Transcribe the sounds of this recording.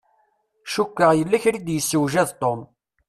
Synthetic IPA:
ʃukːəʁjəlːæçɾid̪jəsːəwʒæðt̪ˤom

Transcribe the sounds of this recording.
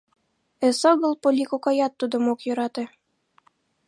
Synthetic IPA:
ɘ̆sɤɣɤ̆lˠpolʲikokɑjɑt̪ːud̪ŏmokjɤ̆ɾɑt̪ĕ

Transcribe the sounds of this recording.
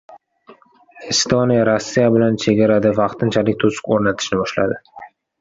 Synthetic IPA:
ɪst̪onijaɾosːijabɪlant͡ʃʰe̞ɡʲaɾad̪ɪvɑqt̪ʰɪnt͡ʃʰalɪkʲt̪ʰosɪ̥kʲoɾnat̪ʰɪ̥ʃnɪbɒʃla̰d̪ɪ

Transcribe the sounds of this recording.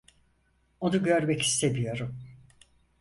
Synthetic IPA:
o̞nuɟø̞ɾmɛci̥st̪ʰe̞mijo̞ɾum

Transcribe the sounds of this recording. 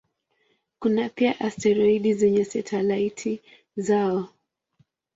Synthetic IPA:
kunapiaʔastɛɾɔiɗizɛɲɛsɛtʰalaitʰi | zaɔ

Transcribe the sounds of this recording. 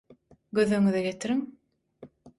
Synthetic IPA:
ɡøðøŋyðɛɡet̪ʰiɾiŋ

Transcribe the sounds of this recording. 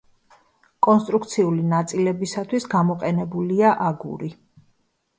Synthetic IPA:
kʼɔnst̪ʼɾuk̚ʰt̪sʰiulinat̪sʼilɛbisat̪ʰwisɡamɔqʼɛnɛbuliaʔaɡṵɾi

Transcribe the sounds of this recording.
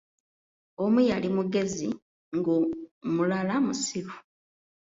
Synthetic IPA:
omujalimuɡe̞zi | ŋɡomulalamusiɾu

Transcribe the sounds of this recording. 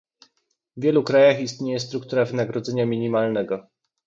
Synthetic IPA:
vvʲjɛlukɾajaxist̪ɲejɛs̬t̪ɾukt̪uɾavɘnaɡɾɔd̪zɛɲamʲiɲimalnɛɡɔ

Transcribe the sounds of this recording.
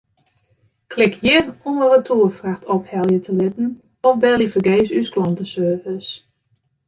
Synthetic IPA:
kʰlɪkʰjɪnunərətʰuːəfraxtʰɔphɛlˠjətʰəlɪtn̩ | ɔfbɛlˠifəɡeːsysklɔntəsøːvəs

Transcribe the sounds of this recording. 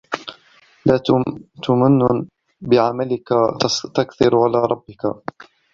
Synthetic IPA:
laːt̪ʊmanːʊ | bɪʕamalɪkat̪akθɪɾʕalaːɾˤɑbːɪka̰

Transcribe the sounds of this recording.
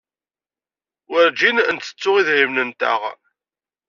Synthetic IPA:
wəɾd͡ʒinənt̪ə̥t͡sːʊʁiðɾimnənt̪ə̰ʁ

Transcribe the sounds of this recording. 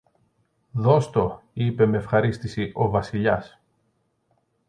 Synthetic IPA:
ðo̞st̪o̞ipe̞meefxɐɾist̪isiʔo̞vɐsiʎɐs

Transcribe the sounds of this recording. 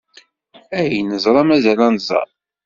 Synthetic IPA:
æjnəzˤɾˤɑmæzælænzˤɑ̰ɾˤ

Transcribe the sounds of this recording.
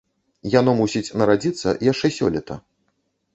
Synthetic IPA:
janɔmusʲit͡sʲnɐɾad͡zʲit̪sːɐ̰ʔijaʂt͡ʂɛsʲɔ̰lʲɛt̪ɐ̰

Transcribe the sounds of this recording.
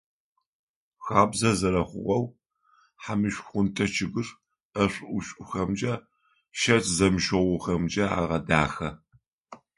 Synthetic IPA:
xaːbzɐzɐɾɐχʷʊ̰ʁʷɐw | ħamɨʃxʷʊntʰɐt͡ʃʰɪɣɨr | ɐɕʷʼʊɕʷʼʊxɐmd͡ʒɐ | ʃɐtʰzɐmʃɐwʊxɐmd͡ʒɐa̰ːʁɐdaːxɐ

